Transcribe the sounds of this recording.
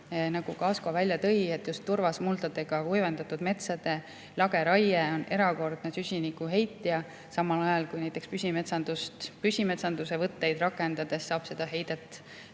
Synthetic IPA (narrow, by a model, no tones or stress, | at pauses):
nɑɡ̥ukɑːskovælʲjɑt̪ɤ̞je̞t̪ːjust̪ːurvɑsmult̪ɑt̪e̞ɡ̥ɑujvend̪̥ɑt̪ːˑud̪̥me̞t̪sɑd̪̥e̞ | lɑɡe̞ɾɑjeo̞ne̞ɾɑko̞rd̪̥nesysʲinikːˑuɦe̞jt̪ːˑijɑ | sɑmɑlɑjɑlkujnæjt̪ːˑe̞kspysʲime̞t̪sɑnd̪ust̪pysʲime̞t̪sɑnd̪̥use̞vɤt̪ːe̞jd̪rɑkːˑe̞nd̪ɑd̪̥e̞sːɑːb̥se̞d̪̥ɑɦe̞jd̪̥et̪ːˑ